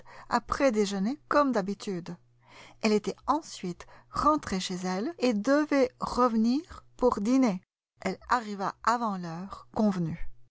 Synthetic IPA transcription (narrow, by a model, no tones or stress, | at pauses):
a̰pχɛd̪eʒənekɔmd̪abit̪ʰyd̪ | ɛlet̪ɛɑ̃sɥit̪ʁɑ̃t̪χeʃezɛled̪əvɛʁəvniːʁpuʁd̪ine | ɛlaʁivaavɑ̃lœːʁkɔ̃vny